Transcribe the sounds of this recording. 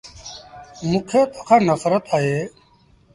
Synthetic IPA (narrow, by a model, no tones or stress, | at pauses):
mukʰeːt̪o̥kʰaːnəsɾət̪aːɦeː